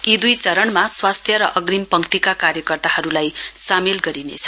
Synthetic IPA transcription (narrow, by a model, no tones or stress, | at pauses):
id̪ujt͡sʌɾʌɳmaswast̪ʰjʌɾʌ̰ʔʌɡrimpʌŋkt̪ikakaɾjʌkʌrt̪aɦʌɾulajsamelɡʌɾinḛt͡sʰʌ̥